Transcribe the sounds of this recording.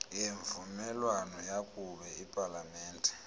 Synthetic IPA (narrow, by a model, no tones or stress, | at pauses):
jeɱvumɛlwanɔjakʼuɓɛipʼalamɛːndʱʼɛ